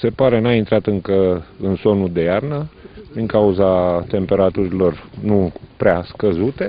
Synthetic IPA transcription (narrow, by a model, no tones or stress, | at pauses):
se̞paɾe̞naint̪ɾat̪ɨŋkəɨnso̞nud̪e̞jarnəd̪iŋkauzat̪e̞mpe̞ɾat̪uɾilo̞rnupɾeaskəzut̪e̞